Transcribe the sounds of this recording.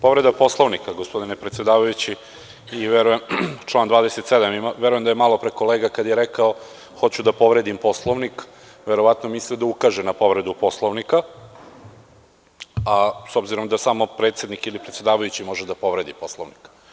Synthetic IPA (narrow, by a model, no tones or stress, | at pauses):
po̞ʋɾe̞d̪apo̞slˠoʋnikaɡospo̞d̪inepɾet̪sjed̪aːʋajut͡ɕi | iʋeɾujemt͡ʃlˠaːnd̪ʋaːd̪ese̞t̪sed̪amimaʋeɾujemd̪ajemalˠo̞pɾeko̞leːɡakad̪jeɾekao | xo̞t͡ɕud̪apo̞ʋɾe̞d̪impo̞slˠoʋnik | ʋeɾoʋat̪nomislid̪aukaʒenapo̞ʋɾe̞d̪upo̞slˠoʋnika | asobziɾo̞md̪asaːmo̞pɾet̪sje̞d̪nikilipɾet̪sje̞d̪aːʋajut͡ɕimo̞ʒed̪apo̞ʋɾe̞d̪ipo̞slˠoʋnika